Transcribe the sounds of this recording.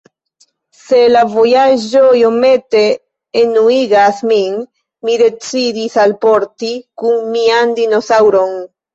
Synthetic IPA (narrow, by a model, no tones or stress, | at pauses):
se̞lavo̞jad͡ʒojo̞me̞te̞ː | nuiɡasmin | mide̞t͡sidisalpo̞ɾtikunmiandino̞sawɾo̞n